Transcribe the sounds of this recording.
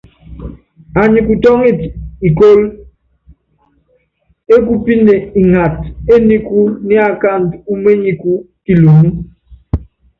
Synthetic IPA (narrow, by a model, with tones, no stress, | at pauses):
a˨ɲi˨ku˨tɔ˦ŋi˦˨ti˨ko˦l | e˦k̬u˦pi˦nde˨i˨ŋa˨te˦ni˦ku˦ni˦a˨ka˦˨n˨tu˦me˦ɲi˨ku˦ | ki˨lu˨mu˦